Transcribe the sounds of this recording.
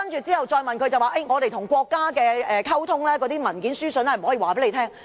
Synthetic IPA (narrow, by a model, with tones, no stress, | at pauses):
ɐ˥nt͡ʃyː˨tt͡siː˥hɐ˨wt͡ʃɔː˧jmɐ˨nkʰɵ˨˧ɥt͡sɐ˨waː˨ʔe˥˩jŋɔː˨˧t̪e˨jt̪ʰʊ˨˩ŋkʷɔː˧kːaː˥kɛː˧ɛ˨kʰɐ˥wt̪ʰʊ˥ŋlɛː˥kɔː˨˧t̪iː˥mɐ˨˩nkiː˨˥nsyː˥sɵ˨nhɐ˨jm̩˨˩ɔː˨˥iː˨waː˨pe˨˥le˨˧tʰɛː˥ŋ